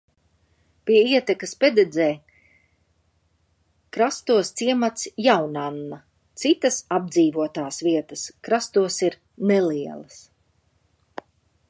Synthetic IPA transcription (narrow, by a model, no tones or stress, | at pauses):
piɛiɛt̪ɛkɐspʲɛd̪ɛd̪zɛː | kɾast̪uɔst̪siɛmat̪sjawnanːa | t̪sit̪ɐsab̚d̪ziːvuɔt̪aːsviɛt̪əskɾast̪uɔsiɾ | nɛliɛlˠɐs